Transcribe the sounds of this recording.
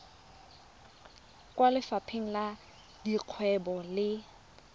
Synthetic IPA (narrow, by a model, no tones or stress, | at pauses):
kʼwalɪfapʰeŋ̩la | diq͡χʰwɛbɔlɪ